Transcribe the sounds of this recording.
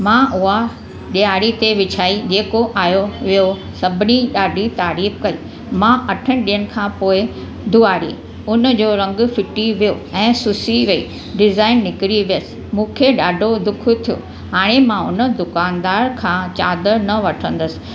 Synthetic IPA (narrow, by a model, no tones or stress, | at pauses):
mãʔʊɦa | ɗiaːɽit̪eʋɪt͡ɕʰaːid͡ʑeːkoʔaːjoʋijo | sɐbʱɪniɗaːɖʱit̪aːɾiːfkɐiː | mãɐʈʰəñɪɗijəɽ̃̆kʰãːpoːɪ | d̪uaːɽḭ | ʊnd͡ʑoːɾɐ̃ŋɡʊ̆fɪʈiʋijoɛ̃ːsʊsiʋɐḭː | ɖɪzaːɪnːɪkɪɽiʋijəsɪ̥̆ | mũːkʰeɗaːɖʱod̪ʊkʰt̪ʰijo̰ | ɦaːɽ̃emãʊnə̆d̪ʊkaːnd̪aːɾkʰãːt͡ɕaːd̪ənɐʋɐʈʰə̃n̆d̪əsɪ̥̆